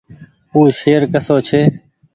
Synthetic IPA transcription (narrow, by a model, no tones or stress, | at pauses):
uːʃeːɾkəsoːt͡ʃʰeː